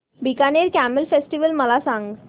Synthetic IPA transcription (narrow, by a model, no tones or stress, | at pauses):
bʱikaneɾkæməlfesʈiʋəlməlasãŋɡ